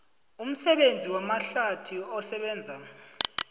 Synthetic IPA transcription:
um̩sɛɓend͡zʱiwamaɬatʰiɔsɛɓɛːnd͡zʱa

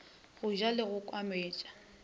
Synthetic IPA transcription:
ɣʊʒalɪɣʊkʼwameːt͡ʃʼḁ

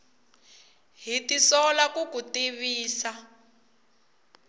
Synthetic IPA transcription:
ɦitisɔlakukutiβiːsa

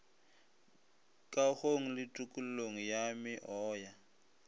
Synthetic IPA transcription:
kʼaɣoŋ̩lɪtʼukʼul̩loŋ̩jamɪʔɔːja

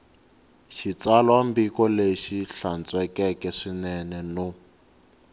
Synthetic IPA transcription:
ʃit͡salwambikɔleʃiɬant͡sʼwɛkɛkɛʂinɛnɛno

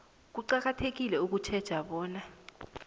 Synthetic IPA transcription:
k̬uǃak̬atʰek̬ilɛuk̬ut͡ʃʰɛd̥ʒ̥ʱaɓɔːna

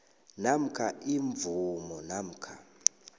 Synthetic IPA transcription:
nam̩kʰaʔiɱvumɔnam̩kʰa

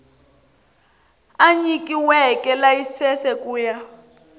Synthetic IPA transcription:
aɲik̬ʼiwɛkɛlajisɛsɛkʼuːja

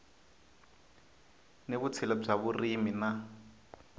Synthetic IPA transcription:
neβut͡sʰilɔb͡ʐaβurimina

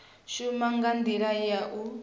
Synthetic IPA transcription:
ʃumaŋɡand̪iɺajaʔu

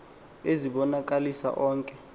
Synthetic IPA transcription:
eziɓɔnak̬ʼalisa̰ʔɔːŋkʼɛ

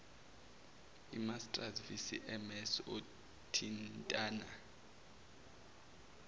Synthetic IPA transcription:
imastʼrazvisiʔɛmɛso | tʰintʼaːna

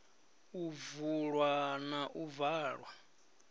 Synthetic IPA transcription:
uvuɺwanaʔuvaːɺwa

